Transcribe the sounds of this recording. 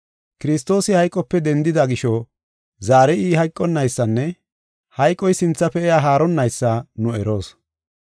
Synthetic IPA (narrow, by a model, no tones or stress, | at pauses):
kɪɾɪst̪o̞ːsɪhɐjkʼːɔpːɛd̪ɛnd̪ɪd̪ɐɡɪʃɔ | zaːɾɛiːɦɐjkʼːɔnːɐjsːɐnːɛ | hɐjkʼːɔjsɪnt͡sːɐpɛɛjaːɦaːɾɔnːɐjsːɐnʊɛɾo̞ːs